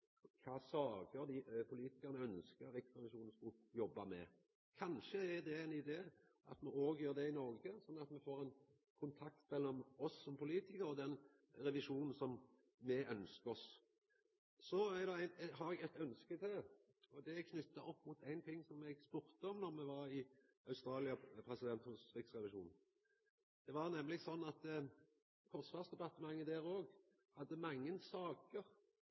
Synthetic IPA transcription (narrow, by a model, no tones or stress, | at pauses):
kʰɑːsɑːɡəɾd̪ipʰʊliːt̪ɪkɑʁnəœnskəɪkt̪ʁɛʋɪʃuːn̩skʊjɔbːɑmɛ̰ | kʰɑnʃəæd̪ɛɛɪnɪd̪eː | ʔɑ̰t̪mɛoːɡjøːʁd̪ɛɪnɔʁɡəsɔnːɑt̪mɛfoːʁɛɪn | kʰʊnt̪ʰɑk̚t̪mɛlːɔmɔsːɔmpʰʊliːt̪ɪkəɾɔd̪ɛn | ʁɛʋɪʂuːnn̩sɔm | mɛʔœnskəɾɔs | sɔæd̪ɛænhɑɾɛɡɛt̪œnskət̪ʰɪ | ɔd̪ɛɛɡ̚kʰnʏt̪ːəʔɔpːmuːt̪ʰæɪnt̪ʰɪŋːsɔmɛɡspʉɾt̪əɔmnɔʁmɛʋɑɾɪ | ɑʉst̪ɾɑːlɪɑpʰʁɛsɪd̪ɛnt̪hʉsʁɪksʁɛʋɪʃṵːn | d̪̥ɛʋɑʁnɛmːlɪɡsɔnːɑt̪ | kʰɔʁsʋɑsd̪ɛbɑt̪ːəmɑŋːəd̪æːʁoːɡ | hɑd̪ːəmɑŋːənsɑːkəʁ